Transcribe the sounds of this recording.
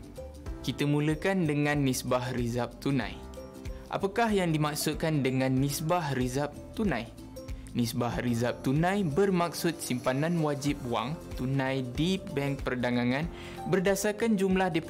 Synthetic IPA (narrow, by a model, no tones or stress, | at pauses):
kit̪əmũləkandəŋãnːisbahrizap̚t̪unã̰j | ʔa̰pakahjaŋdimak̚sut̪̚kandəŋãnːisbahrizap̚t̪unãj | nisbahrizap̚t̪unãjbərmak̚sʊt̪̚simpanãnwad͡ʒip̚wa̰ŋt̪unãjdibɛŋk̚pərdaŋaŋãn | bərdasakand͡ʒumlahdep